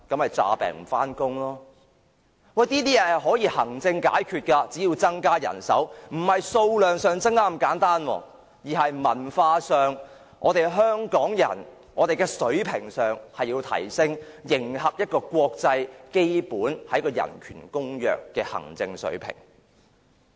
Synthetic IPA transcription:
kɐ˨˥mhɐ˨jt͡sa̰ː˧pɛ̰ː˨˩ŋm̩˨˩faː˥nkʊ˥ŋlɔː˥ | wɐ˨jt̪iː˥t̪iː˥jɛː˨˧hɦɔː˨˥jiː˧hɐ˨˩ŋt͡sɪ˧ŋkaː˨˥jkʰyː˧t̚kaː˧t͡siː˨˥jiː˧wt͡sɐ˥ŋkaː˥jɐ̰˨˩nsɐ̰˨˥wm̩˨˩hɐ˨jso˧wlœː˨ŋsœː˨ŋt͡sŋkaː˥m̩˨˩kaː˨˥nt̪aː˥nwɔ̰ː˧ | jiː˨˩ɦɐ˨jmɐ˨˩nfaː˧sœː˨ŋ | ʔɔ̰ː˨˧t̪e˨jɦœː˥ŋkɔː˨˥ŋjɐ̰˨˩n | ʔɔː˨˧t̪e˨jkɛ˧sɵ˨˥ɥpʰɪ˨˩ŋsœː˨ŋhɐ˨jːiː˧wt̪ʰɐ̰˨˩jsɪ˥ŋjɪ˨˩ŋhɐ˨p̚jɐ˥t̚kɔː˧kʷɔː˧k̚t͡sɐ˧jke˥jpuː˨˥nhɐ˨˥jkɔː˧jɐ̰˨˩nkʰy̰ː˨˩nkʊ˥ŋjœ̰ː˨kːɛː˧hɐ̰˨˩ŋt͡sɪ˧ŋsɵ̰˨˥ɥpʰɪ̰˨˩ŋ

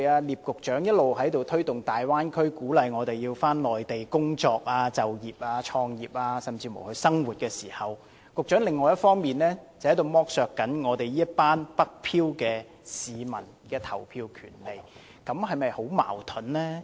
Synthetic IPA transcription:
jaː˧liː˨p̚kʊ˨k̚t͡ʃœː˨˥ŋjɐ˥t̚lo˨whɐ˨˥jt̪o˨wt̪ʰɵ˥ɥt̪ʊ˨ŋt̪aː˨jwaː˥nkʰɵ˥ɥkuː˨˥lɐ˨jŋɔː˨˧t̪e˨jiː˧wfaː˥nlɔː˨jt̪e˨jkʊ˥ŋt͡sɔː˧k̚aː˧t͡sɐ˨wjiː˨p̚aː˧t͡ʃʰɔː˧ŋjiː˨˩p̚aː˧sɐ˨mt͡siː˧mo˨˩hɵ˧ɥsɐ˥ŋwuː˨t̚kɛː˧siː˨˩hɐ˨w | kʊ˨k̚t͡ʃœː˨˥ŋlɪ˨ŋːɔː˨˧jɐ˥t̚fɔː˥ŋmiː˨nlɛː˥t͡sɐ˨˩hɐ˨˥jt̪o˨˧wmɔː˥k̚sœː˨kːɐ˨˥nŋɔː˨˧t̪e˨jiː˥ɐ˥t̚paː˥npɐ˥k̚pʰiː˥wkɛː˧ | siː˨mɐ̰˨˩n | kɛː˧t̪ʰɐ˨˩wpʰiː˧wkʰy̰ː˨˩nle˨˩j | kɐ˨˥mhɐ˨jmɐ˨jho˨˥wma̰ː˨˩wt̪ʰʊ˨˥nlɛː˥

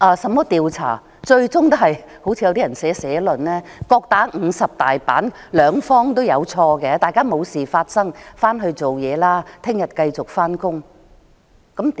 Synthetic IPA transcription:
ʔaː˨˧sɐ˨˧mːɔː˥t̪iː˨˧wt͡sʰa̰ː˨˩ | t͡ʃɵ˧ɥt͡sʊ˥ŋt̪o˥ɦhɐ˨j | ho˨˥wt͡sʰiː˨˧jɐ˧t̪iː˥jɐ˨˩nsɛː˨˥sɛː˨˥lɵ˨˩nlɛː˥kɔː˧k̚t̪aː˨˥ŋ̩ː˨˧sɐ˨p̚t̪aː˨˩jpa̰ː˨˥n | lœː˨˧ŋfɔː˥ŋt̪̬o˥wjɐ˨˧wt͡ʃʰɔː˧kɛ˧t̪aː˨jkaː˥mo˨˧wsiː˨˩faː˧t̚sɐ˥ŋfaː˥nɦɵ˧ɥt͡so˨wjɛː˨˧laː˥t̪ʰɪ˥ŋjɐ˨t̚kɐ˧jt͡sʊ˨˩k̚faː˥nkʊ˥ŋ | kɐ˨˦˥m

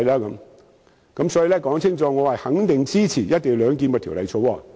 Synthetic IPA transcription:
jlaː˥kɐ˨˧˥m | kɐ˨˦˥msɔː˨˥ji˨˧lɛː˥kɔː˨˥ŋt͡sʰɪ˥ŋt͡sɔː˧ŋɔː˨˧hɐ˨jhɐ˨˥ŋt̪ɪ˨ŋt͡siː˥t͡sʰiː˨˩jɐ˥t̚t̪ːɪ˨jlœː˨˧ŋk̬i˧nmɐ˧t̪ʰi˨˩˨lɐ̰˨jt͡sʰo˨˧wɔː˧

